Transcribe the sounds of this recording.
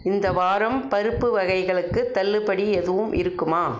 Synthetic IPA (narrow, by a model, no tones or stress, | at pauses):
ɪnd̪ɐʋaːɾɐmpɐɾɯpːɯʋɐɣɐɪɣɐɭɯkːɯt̪ːɐlːɯpɐɽiɛðɯʋɯmʔɪ̰ɾɯkːɯmaː